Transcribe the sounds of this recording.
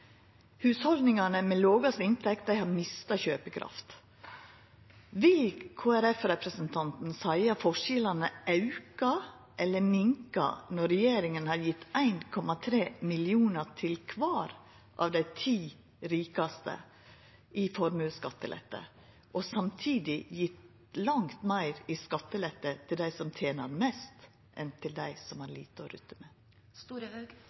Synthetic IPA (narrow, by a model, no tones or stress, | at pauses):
hʉːshɔld̪nɪŋɑnəmɛloːɡɑsɪnt̪ʰɛkt̪̚d̪æɪhɑɾmɪst̪ɑçøːpəkʰɾʔɑ̰ft̪ | ʋɪlkʰoːæɾɛfɾɛpɾəsənt̪ʰɑnt̪n̩sæɪɑfɔʂɪlɑnəʔɑʉkɑ | ʔɛlːəmɪŋkɑ̰nɔɾɛjeːɾɪŋənhɑɾjɪt̪ʰːæɪnkʰɔmɑt̪ʰɾeːmɪlɪuːnətʰɪlkʰʋɑːɾ | ʔɑ̰ʋd̪æɪt̪ʰiː | ɾiːkɑst̪ə̰ | ʔɪfɔɾmʉskɑt̪ːə̰lʔɛ̰t̪ːə̰ | ʔɔsɑmt̪ʰiːd̪ɪjɪt̪ | lɑŋt̪mæɪɾɪskɑt̪ːəlɛt̪ːət̪ʰɪld̪æɪsɔmt̪ʰjeːnɑɾmɛst̪ | ʔɛnt̪ʰɪld̪æɪsɔmæɾlḭːt̪əɔɾʉ̰t̪ːəmɛ